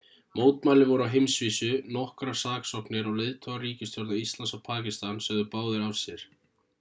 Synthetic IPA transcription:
moːwt̪maːlɪvɔɾʏawɦejmsviːsʏnɔhkɾasaːksɔhknɪɾawlejðt̪ʰɔɣaɾiːcɪst̪jɔɾðaist̪lansawpʰaːcɪst̪ansɛɣðʏpaːwðɪɾawsjɛɾ̥

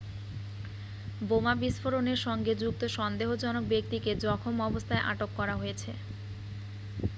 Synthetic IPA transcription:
bomabiʃfoɾoneɾʃɔŋɡed͡ʑuk̚t̪oʃɔnd̪eɦod͡ʑɔnok̚bek̚t̪iked͡ʑɔkʰomɔbost̪ʰaeʔa̰ʈokːɔɾaɦojet͡ɕʰe

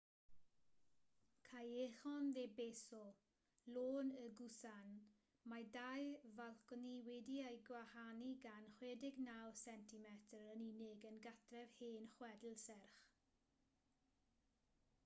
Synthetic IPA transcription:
kʰajeχɔnðebeːsɔ | loːnəɡusan | majdajvalˠkɔniwɛdiajɡwahaniɡanχweːdɪɡnawsɛntimɛtʰəɾənɪnɪɡənɡatʰrɛvheːnχwɛdl̩ˠsɛrχ

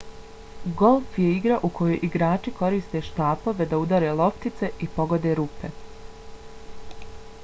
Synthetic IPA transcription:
ɡo̞lˠfje̞iɡɾaʔukʰo̞jo̰jʔiɡɾaːt͡ʃiko̞ɾist̪e̞ʃt̪aːpo̞ʋe̞d̪aud̪aɾe̞lo̞pt̪it̪se̞ʔipo̞ɡo̞d̪e̞ːɾuːpe̞

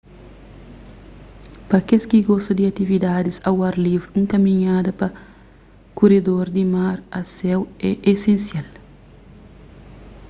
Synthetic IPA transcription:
pɐkeskiɡɔst̪ɐd̪iɐt̪ivid̪ad̪isɐwaɾlivɾũŋkɐmĩɲad̪ɐpɐ | kuɾed̪oɾd̪imaɾɐsɛwɛʔesẽnsjal

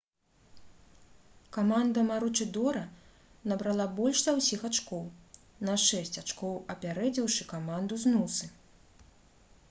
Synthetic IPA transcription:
kamand̪ɐmaɾut͡ʂɨd̪ɔɾɐ | nɐbɾalˠabɔlʲʂzɐwsʲixat͡ʂkɔw | nɐʂɛsʲt͡sʲat͡ʂkɔwɐpʲaɾɛd͡zʲiwʂɨkamand̪uznusɨ

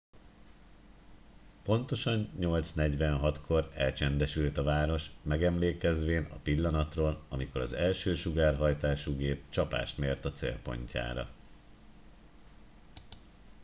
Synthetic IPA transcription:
po̞n̪t̪o̞ʃɒɲːo̞lt̪snɛɟʋɛnɦɒt̪kʰo̞ɾɛlt͡ʃɛnd̪ɛʃylt̪ɒvaːɾo̞ʃmɛɡɛmleːkɛzʋeːnɒ̰pilːɒnɒt̪roːlɒmiko̞ɾɒ̰zɛlʃøːʃuɡaːrɦɒjt̪aːʃuɡeːp̚t͡ʃɒpa̰ːʃt̪meːrt̪ɒt̪sḛːlpo̞̰ɲca̰ːɾɒ̰

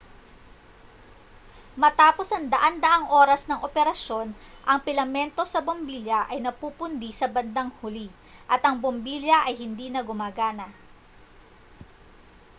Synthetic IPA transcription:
mɐt̪aːpo̞sɐŋd̪ɐʔand̪ɐʔaŋʔo̞ːɾɐsnɐŋʔopɛɾɐʃo̞nʔɐŋpɪlɐmɛnt̪o̞sɐbombiːljɐʔɐjnɐpupʊnd̪isɐbɐnd̪ɐŋhʊli | ʔɐt̪ʔɐŋbombiljɐʔɐjhɪnd̪iːnɐɡʊmaːɡaːnɐ

